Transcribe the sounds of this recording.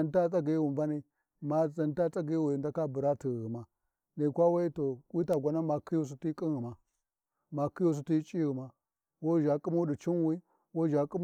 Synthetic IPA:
a˨nta˦t͡sʼa˦ɡi˨˦wu˨mva˦ni˦ | ma˨za˨nta˦t͡sʼa˦ɡi˦wu˨i˨da˦ka˦bu˨ɾa˦ti˨ɣi˨ma˨ | ni˨kʷa˦wa˦i˦to˨wi˦ta˨ɡʷa˦na˦ma˨ki˦ju˦s̬u˦ti˦kʼi˦ɣi˨ma˨ | ma˨ki˦ju˦s̬u˦ti˦t͡ʃʼi˦ɣi˨ma˨ | wo˦ʒa˨kʼu˦ma˦u˦di˨t͡ʃi˦nwi˦ | wo˦ʒa˨kʼu˦m

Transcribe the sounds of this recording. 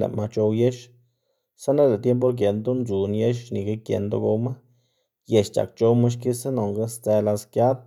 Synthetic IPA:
lḛ˨ma˧t͡ʃo˧wje˦ʃ | sa˦na˦le˨t̪je˦mp̬o˦ɾk̬je˨nd̪o˦nd͡ʒu˨nje˦ʃni˨ɡe˦kjḛ˨nd̪o̰˧˦ɡo˧wma˦ | je˨ʃt͡ʃa̰˨kt͡ʃo˧ma˦ʃ̬ki˦sa˦no˨ŋɡa˧˦st͡se˧la˧skja˦d̪̚

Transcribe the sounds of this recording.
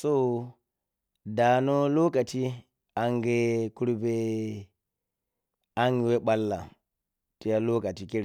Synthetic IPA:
so˦ | da˨no˦lo˦ka˨ti˦ | a˨ŋɡe˦ku˦ɾbe˦ | a˦ŋɡi˨we˦ɓa˦lːa̰˨ | ti˦ja˦lo˦ka˨ti˨ki˦ɾe˨

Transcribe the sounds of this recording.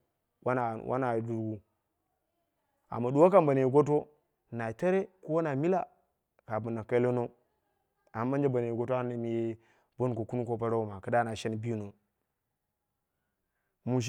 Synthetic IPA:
wa˦na˨wʔa̰˦na˨du˨ɾɡu˦ | a̰˨mːa˨du˨˦wa˦ka˦mba˨ne˨ji˨ɡo˦t̬o˦ | na˨te˦ɾe˦ko˦wa˦na˨mi˦la˨ | ka˨bu˨na˨ka˦lo˦no˦ | a˨˦ba˦nd͡ʒa˦ba˨ne˨ji˨ɡo˦ta˦ne˨mi˨je˦ | bo˦n˨ko˨ku˦nu˦ko˦p̬a˦ɾa˦u˦˨ma˨ka˦da˦˨na˨ʃe˦n˨bi˦ju˦no˨ | mu˨ʃ̬

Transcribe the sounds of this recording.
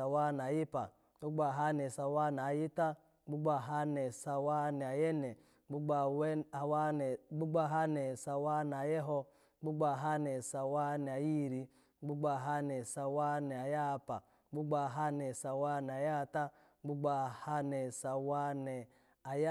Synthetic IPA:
sa˨wa˦n˨a˨ji˦pa˨ | ɡ͡bu˦ɡ͡ba˨ɦa˦nɛ˨sa˨wa˦n˨a˨ji˦ta˦ | ɡ͡bu˦ɡ͡ba˨ɦa˦nɛ˨sa˨wa˦nɛ˨a˨jɛ˦nɛ˨ | ɡ͡bu˦ɡ͡ba˨wa˨wa˦nɛ˨ɡ͡bu˦ɡ͡ba˦˨ɦa˦nɛ˨sa˨wa˦n˨a˨jɛ˦ɦɔ˧ | ɡ͡bu˦ɡ͡ba˨ɦa˦nɛ˨sa˨wa˦nɛ˨a˨ji˦˨ɾi˧ | ɡ͡bu˦ɡ͡ba˨ɦa˦nɛ˨sa˨wa˦nɛ˨a˨ja˦˨pa˨ | ɡ͡bu˦ɡ͡ba˨ɦa˦nɛ˨sa˨wa˦n˨a˨ja˦˧ta˦ | ɡ͡bu˦ɡ͡ba˨ha˦nɛ˨sa˨wa˦nɛ˨ | a˨j

